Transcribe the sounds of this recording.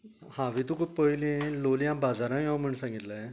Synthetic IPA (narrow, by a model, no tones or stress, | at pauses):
hãʋit̪ukuppːəjlĩlolijãbad͡zaɾãjãwm̤əɳsãŋɡit̪la